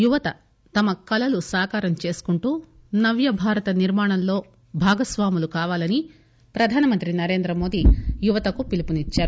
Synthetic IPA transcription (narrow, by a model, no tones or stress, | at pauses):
juʋɐt̪ɐ | t̪ɐmɐkɐlɐlusaːkaːɾɐmt͡ʃe̞ːsu̥kuɳʈuːnɐʋjɐbʱaːɾɐt̪ɐniɾmaːɳ̃ɐmlo̞ː | bʱaːɡɐsʋaːmulukaːʋaːlɐni | pɾɐd̪ʱaːnɐmɐnt̪ɾinɐɾeːnd̪ɾɐmo̞ːd̪ijuʋɐt̪ɐkupilipunit͡ʃːaːɾu